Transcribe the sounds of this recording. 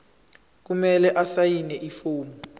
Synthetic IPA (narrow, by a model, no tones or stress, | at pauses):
k̬umɛlɛʔasajinɛʔifuːmu